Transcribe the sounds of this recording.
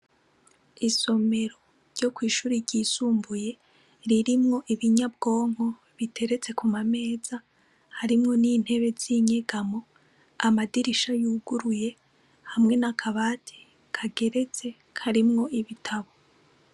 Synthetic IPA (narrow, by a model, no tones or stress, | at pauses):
iso̞me̞ɾo̞ | ɾɟ̥o̞kwiːʃuːɾiɾɟiːsuːmbuje̞ | ɾiɾimŋo̞ʔiβiɲab̚ɡo̞ːŋ̥ho̞ | βitʰe̞ɾe̞t͡se̞kumame̞ːz̥a | haɾimŋo̞niːn̥he̞βe̞ziɲe̞ɡamo̞ | amadiɾiʃajuːɡuɾuje̞ | hamŋe̞nakʰaβaːtʰe̥ | kʰaɡe̞ɾe̞t͡se̞ | kʰaɾimŋo̞iβitʰaβo